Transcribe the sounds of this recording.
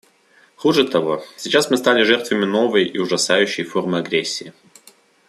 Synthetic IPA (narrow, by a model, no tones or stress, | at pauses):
xuʐɨt̪ɐvo̞sʲɪt͡ɕasmɨst̪alʲɪʐɛrt̪vəmʲɪno̞vəjɪʊʐɐsajʉɕːɪjfo̞rmɨɐɡɾʲesʲːɪː